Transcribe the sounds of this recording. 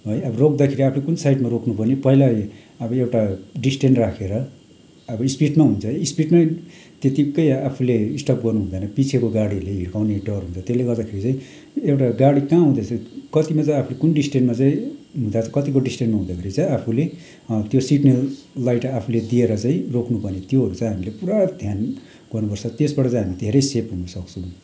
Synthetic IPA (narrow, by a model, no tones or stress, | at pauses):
ɦojʌbʌrok̚d̪akʰeɾiapʰulekunsajʈmaɾokʰnupʌnipʌɦilae | ʌbʌewʈaɖisʈeɳrakʰeɾʌ | ʌbʌispiʈmaɦunt͡sʰʌispiʈma | t̪et̪ikʌjapʰuleisʈʌp̚ɡʌrnuɦũd̪anʌpit͡sʰekoɡaɽileɦiɽkʰawneɖʌrɦũnt͡sʰʌt̪esleɡʌrd̪akʰeɾit͡sãĩ | ewʈaɡaɽikãɦũd̪at͡sʰʌkʌt̪imat͡saĩapʰulekunɖisʈenmat͡saĩɦũd̪at͡sʰʌ̥kʌt̪ikoɖisʈenmaɦũd̪akʰeɾit͡saĩapʰule | t̪josiʈnelːajʈapʰuled̪ieɾʌt͡saĩrokʰnupʌnet̪joɦʌɾut͡saĩɦamilepuɾad̪ʱjan | ɡ̥ʌrnupʌrt͡sʰʌt̪esbaʈʌt͡sãĩɦamid̪ʱeɾʌjsepɦunʌsʌkt͡sʰũ